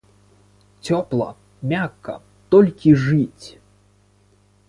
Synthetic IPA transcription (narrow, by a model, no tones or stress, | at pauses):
t͡sʲɔplˠɐ̰ | mʲakːɐ̰ | t̪ɔlʲkʲiʐɨt͡sʲ